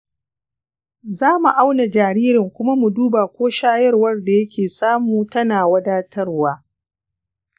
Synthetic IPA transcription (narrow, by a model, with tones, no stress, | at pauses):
zaː˦mu˨ʔa˦wna˨d͡ʒaː˨ɾiː˦ɾɪ˨ŋkʷʊ˦ma˦mu˨duː˦baː˨kʷoː˦ʃaː˦jɐ˦rwɐ˦rda˨jɐ˦kʲʰeː˨saː˦muː˨tɐ˦naː˨wɐ˦daː˦tʰɐ˦rwaː˦